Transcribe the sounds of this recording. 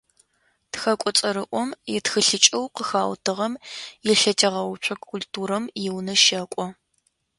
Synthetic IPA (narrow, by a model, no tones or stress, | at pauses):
txɐkʷʼɔt͡sʼɐɾɨʔʷɔmjɪtxɨɬɨt͡ʃʼɐwqəxaːwtʰɨʁɐmjɪɬɐtʰɐʁɐwt͡ʃʷʰʼɐkʰʊltʰuːɾɐmjɪwnɐʃɐkʷʼɔ